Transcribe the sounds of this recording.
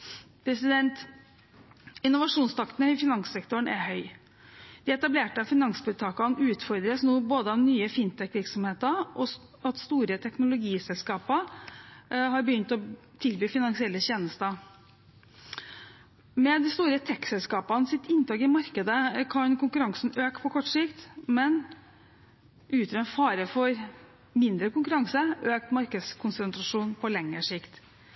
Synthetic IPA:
pʰɾɛsɪd̪ɛnt̪ | ɪnːʊʋɑʂuːnst̪ʰɑkt̪ənəɪfɪnɑŋssɛkt̪ʊɳæhœʏ | d̪̥ɪɛt̪ɑbleːʈəɑfɪnɑŋsbʉːt̪ʰɑːkɑnʉːt̪fɔɾd̪ɾəsnuːboːd̪əɔʋnyːəfɪnt̪ʰɛkːʋɪɾksɔmheːt̪əʔɔ | ɑt̪st̪uːɾət̪ʰɛknʊlʊɡiːsɛlskɑːpə | ɦɑɾbəjʏnt̪ɔ | t̪ʰɪlbyːfɪnɑŋsɪɛlːəɕeːnəst̪ə | mɛd̪ɪst̪uːɾət̪ʰɛkːsɛlskɑːpɑnsɪt̪ɪnt̪ɑːkɪmɑɾkəd̪əkʰɑnkʊŋkʉɾɑŋsn̩øːkpʰɔkʰɔʈːʂɪkt̪mɛn | ʔʉːt̪ɾɛnfɑːɾəfɔɾ | mɪnd̪ɾəkʊŋkʉɾɑŋsəøːk̚t̪mɑɾkəd̪skʰʊnsənt̪ɾɑʂuːnpʰɔlɛŋːəʂɪkt̪

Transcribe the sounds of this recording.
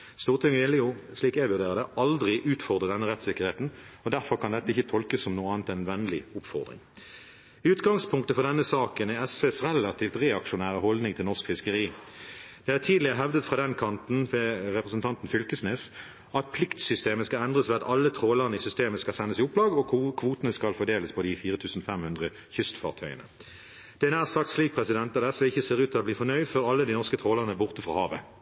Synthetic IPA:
st̪uːʁt̪ʰɪŋɪlːɪʊʂliːkæʋʉʁd̪eːʁəd̪əʔɑld̪ʁɪʔʉːt̪fɔʁd̪ʁəd̪ɛnːəʁɛt̪sɪkːəʁheːt̪n̩ɔd̪æʁfɔʁkʰɑnd̪ɛt̪ːəɪçːət̪ʰɔlkəssɔmnuːɑːnt̪ɛnʋɛnːlɪʊpfɔ̰ʁd̪ʁɪ̰ŋ | ʉːt̪ɡɑŋspʰʊŋkt̪əfɔʁd̪ɛnːəsɑːkənɛɛsʋeːsʁɛlɑt̪ʰiːft̪ʁeːɑkʃʊnæːʁəɦɔld̪nɪŋt̪ʰɪlɔʁskfɪskəʁiːd̪̥ɛːhæːt̪ʰiːd̪lɪʁəɦɛʋd̪ət̪fʁɑːd̪ɛnkʰɑnt̪n̩ʁɛpʁɛsnt̪ʰɑnt̪n̩fʏlkəsneːs | ɑt̪̚pʰlɪkt̪sʏst̪eːməskɑɛnd̪ʁəsʋɛːɑt̪ɑlːət̪ʰʁoːləʁənəɪsʏst̪eːməskɑlsɛnːəsɪʊplɑːɡɔkʰʋuːt̪ənəskɑlfɔd̪eːləspʰɔd̪ɪfiːʁət̪ʰʉːsn̩fɛmhʉnd̪ʁə | çʏst̪fɑʁt̪ʰœʏə̰nə | d̪̥ɛnæːʁsɑkt̪sliːk̚pʰʁɛsɪd̪ɛnt̪̚d̪ɑd̪ɛsʋɛɪçːəseːʁʉːt̪ʰːɪlɔbliːfɔnœʏd̪fɔʁɑlːəd̪inɔʁskət̪ʰʁoːləʁənəbʊʁt̪əfʁɑ̰hɑːʋə

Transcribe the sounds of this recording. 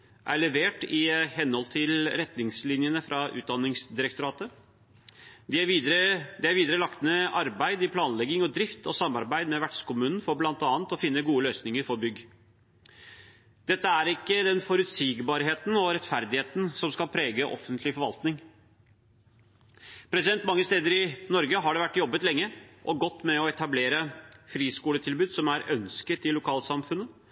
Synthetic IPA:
ʔæ̰ɭɛʋeːʈɪhɛnːhɔlt̪ʰɪlɾɛt̪nɪŋslɪnjənəfɾʔɑʔʉ̰ːt̪̚d̪ɑnːɪŋsd̪ɪɾəkt̪ʊɾɑːt̪ə | d̪ɪæəd̪ɛæɾʋiːd̪əɾəlɑk̪nəʔɑɾbæɪd̪ɪpʰlɑːnlɛɡɪŋɔd̪ɾɪft̪ɔsɑmːɑɾbæɪd̪mɛʋæʈʂkʊmʉːnn̩fɔɾblɑnt̪ɑːnt̪ɔfɪnːəɡuːəløːsnɪŋəɾfɔɾbʏɡː | d̪̥ɛt̪ːəæɾɪkːəd̪ɛnfɔɾʉt̪siːɡbɑːɾɦeːt̪n̩ɔɾɛt̪fæɾd̪ɪheːt̪n̩sɔmskɑlpʰɾeːɡəʔɔ̰fənt̪ʰlɪfɔɾʋɑ̰lt̪nɪŋ | pʰɾɛsɪd̪ɛnt̪mɑŋːəst̪eːd̪əɾɪnɔɾɡəɦɑɖɛʋæʈːjɔbːət̪lɛŋːəʔɔɡɔt̪ːmɛɔɛt̪ʰɑbleːɾəfɾiːskuːlət̪ʰɪlbʉːd̪sɔmæɾœnskət̪ɪlʊkʰɑːlsɑmfʉnːə

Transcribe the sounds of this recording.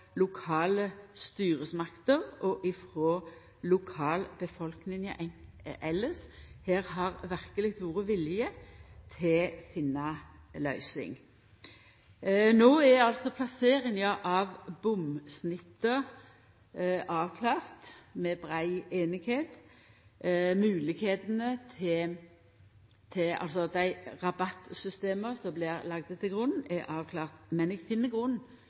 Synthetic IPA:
lʊkʰɑːləst̪yːʁəsmɑkt̪əʁɔʔɪfɾoː | lʊkʰɑːlbəfɔlknɪŋ | ʔɛləsheːʁhɑʁʋæʁkəlɪkt̪ʋuːʁəʋɪlɪjət̪ʰɪfɪnːɑlœʏsɪ̰ŋ | noːæɑlsɔpʰlɑseːʁɪŋəʔɑʋbʊmsnɪt̪ːə | ʔɑːʋkʰlɑːʁt̪mɛbʁæɪeːnɪɡheːt̪ | mʉːlɪɡheːt̪nət̪ʰɪ | t̪ʰɪɑ̰lsɔd̪æɪʁɑbɑt̪ːsʏst̪eːməsɔmblɪʁlɑɡ̚d̪ət̪ʰːɪlɡʁʉnn̩ɛʔɑːʋkʰlɑːʁt̪mɛnɛɡfɪnːəɡʁʉn

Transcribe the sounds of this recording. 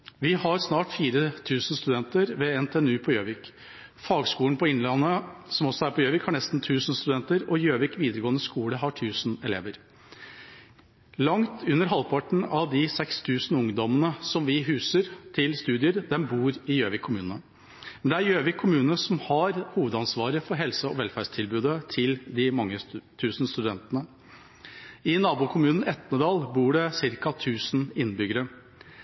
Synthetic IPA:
ʋɪhɑɾsnɑːʈfiːɾət̪ʰʉːsn̩st̪ʉd̪ɛnt̪əɾʋɛɛnt̪ʰeːɛnʉːpʰɔjøːʋɪk | fɑːɡskuːənpʰɔɪnlɑnəsɔmɔsɔæɾpʰɔjøːʋɪkhɑɳɛst̪n̩t̪ʰʉːsən̩st̪ʉd̪ɛnt̪əɾɔjøːʋɪkʋiːd̪əɾəɡoːənəskuːləɦɑʈʰʉːsnɛlḛːʋəɾ | lɑŋt̪ʰʉnːəɾɦɑlpʰɑʈɳ̩ɑʋd̪ɪsɛkst̪ʰʉːsn̩ʊŋd̪ɔmənəsɔmʋɪɦʉːsəɾt̪ʰɪlst̪ʉːd̪ɪəɾd̪ɛmbuːɾɪjøːʋɪkʰːʊmʉːnə | mɛnd̪ɛæɾjøːʋɪkʰʊmʉːnəsɔmhɑɾhuːʋəd̪ɑnsʋɑːɾəfɔɾɦɛlsəɔʋɛlfæɖʂt̪ʰɪlbʉːd̪ət̪ʰɪld̪ɪmɑŋːət̪ʰʉːsnst̪ʉd̪ɛnt̪ənə | ɪnɑːbuːkʰʊmʉːnn̩ɛt̪nəd̪ɑːlbuːɖɛsɪɾkɑt̪ʰʉːsn̩ɪnːbʏɡəɾə

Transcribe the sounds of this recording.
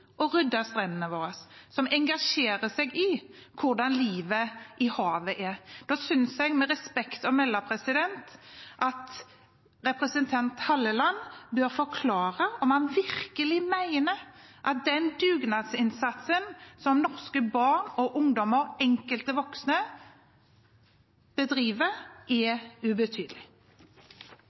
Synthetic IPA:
ʔɔɾʏd̪ːɑst̪ɾɛnːənəʋoːɾəssɔmɛŋɡɑʂeːɾəsɛɡɪ | kʰʊɾd̪ɑnliːʋəʔɪhɑːʋəʔɛɾd̪̥ɑsʏnsɛɡmɛɾɛspɛkt̪ɔmɛlːɑpʰɾɛsɪd̪ɛnt̪ʔɑt̪ | ɾɛpɾɛsənt̪ʰɑnt̪hɑlːəlɑnːbøːɾfɔkʰlɑːɾəɔmhɑnʋɪɾkəlɪmæɪnə | ʔɑt̪̚d̪ɛnd̪ʉːɡnɑd̪sɪnsɑt̪sənsɔmnɔɾskəbɑʁnɔʔʊŋd̪ɔməɾɛŋkəlt̪əʋɔksnə | b̥əd̪ɾiːʋəɾʔɛʉbət̪ʰyːd̪əlɪ

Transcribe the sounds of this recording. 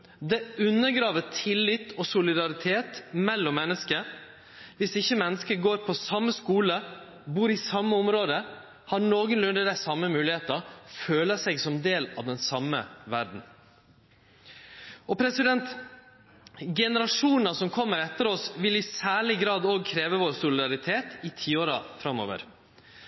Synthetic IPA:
d̪ɛʉnːəɡɾɑːʋəʈʰɪlːɪt̪ːɔsʊlɪd̪ɑɾɪt̪ʰeːt̪mɛlːɔmːɛnːəskə | ʋɪsɪçːəmɛnːəskəɡoːɾpʰɔsɑmːəskuːlə | buːɾɪsɑmːəɔmɾoːd̪ə | hɑɾnoːɡənlʉnd̪əd̪æsɑmːəmʉːlɪheːt̪ɑføːləsɛɡsɔmd̪eːlɑ̰ʋd̪ɛnsɑmə̰ʋæɾɖ̪n̩ | ɔpʰɾɛsɪd̪ɛnt̪ | ɡɛnəɾɑʂuːnnɑsɔmkʰɔmːəɾɛt̪ːəɾɔsʋɪlɪsæːɭɪɡɾɑːd̪oːɡ̚kʰɾeːʋəʋoːɾsʊlɪd̪ɑɾɪt̪ʰeːt̪ɪt̪ʰiːoːɾɑfɾɑmːo̰ːʋə̰ɾ

